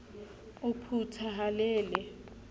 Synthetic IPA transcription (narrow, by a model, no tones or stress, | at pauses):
ʊpʰutʰaɦalɛːlɛ